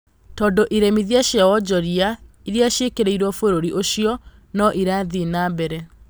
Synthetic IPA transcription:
tɔːndoʔiɾemiðiaʃawɔd͡ʑɔɾia | iɾiaʃekeɾeiɾwɔfoɾoɾiʔoɕiɔ | nɔʔiɾaðinabɛɾɛ

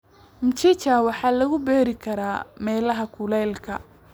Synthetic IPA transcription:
mt͡ʃit͡ʃawɑħɑːlɐɣʊbɛːɾɪkʰɐɾaːmɛːlɐɦɐkʰʊlɛːlkʰɐ̰

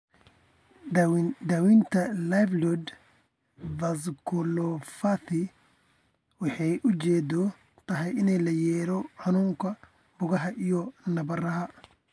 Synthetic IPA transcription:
d̪ɐwint̪ʰɐlajflɔd̪ | vɐs̬kʰʊlɔfɐθɪ | wɑħɑjʔʊt͡ʃɛːd̪ɔ | t̪ʰɐɦɛjɪnɛjlɐjɛːɾɔħɑnuːŋkʰɐ | bʊɣɐɦɐʔijɔnɐβɐrɐɦɐ

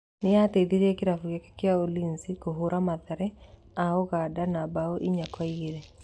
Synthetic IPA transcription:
nɪated̪iɾekɪɾafuɡekḁkɪaolinsikoɦuɾʔamaðaɾɛ | aoɡadanabaoʔiɲakwaiɡeɾe

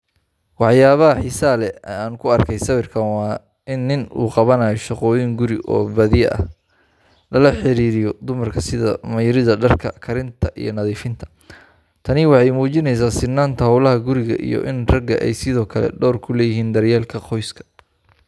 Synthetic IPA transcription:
wɑħjaːβɐɦɐħisaːlɛaːŋkʰʊɐrkʰɛjsɐβɪrkʰɐnwɑː | ɪnːɪnṵːqɑβɐnaːjɔʃɑqɔːjiŋɡʊɾɪ̰ʔɔ̰ːbɐðɪjɐʔɐ̰h | lɐlɐħɪɾiːɾɪjɔd̪ʊmɐrkʰɐsɪðɐ̰mɐjɾɪðɐɖɐrkʰɐkʰɐɾɪnt̪ʰɐʔḭjɞ̰nɐðiːfɪnt̪ʰɐ̥ | t̪ʰɐnɪwɑħɑjmuːt͡ʃɪnɛjs̬aːsɪnːaːnt̪ʰɐhɐwlɐɦɐɡʊɾɪɣɐ̰ʔḭjɔ̰ʔɪnrɐɡɐʔɛ̰jsɪðɔːkʰɐlɛ̰ɖɔːrkʰʊlɛːjɪɦiːnd̪ɐrjaːlkʰɐqʰɔjskʰɐ̥

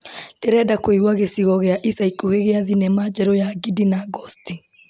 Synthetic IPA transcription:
d̥eɾɛdakwoiɣwaɣesiɣɔɣeaʔisaikoheɣeaðinemad͡ʒɛɾɔjaɡidinaɡɔsti

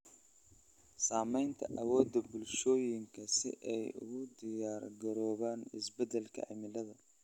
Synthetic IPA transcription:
saːmɛjnt̪ʰɐʔɐwɔːd̪ːɐbʊlʃɔːjɪŋkʰɐsɪ̰ʔɛjʊ̰ɣʊd̪ɪjaːrɡɐɾɔːβaːnɪ̰sbɛd̪ɛlkʰɐ̰ʕɪ̰mɪlɐðɐ

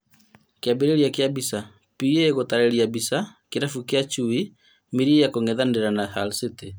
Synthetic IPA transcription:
keabeɾeɾjakjabisa | pieɣotaɾɛɾiabisakeɾafukjat͡ʃui | miɾijakoŋɛðandeɾanahalsete

